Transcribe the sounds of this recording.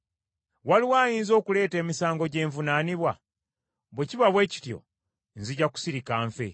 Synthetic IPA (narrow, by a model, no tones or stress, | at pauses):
waliwaːjiːnzo̞ːkule̞ːte̞ːmisaːŋɡo̞ɟe̞ːɱvunaːniβwa | βweciβaβwe̞ːci̥tjo̰ | nziɟaku̥siɾikaːɱfḛ